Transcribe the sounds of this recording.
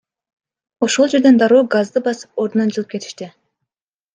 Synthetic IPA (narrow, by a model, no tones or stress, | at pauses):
o̞ʃo̞lˠd͡ʒe̞ɾd̪e̞nd̪ɑɾoːɡazd̪ɯbɑsɯ̥p̚o̞ɾd̪unɑnd͡ʒɯlˠɯp̚ke̞t̪ʰi̥ʃt̪i